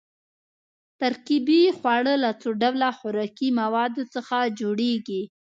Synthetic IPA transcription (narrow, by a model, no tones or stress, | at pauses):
t̪aɾkibixwɑɽəlat͡soɖawlaxʊɾɑkimawɑd̪ot͡səxad͡ʒoɽeɡi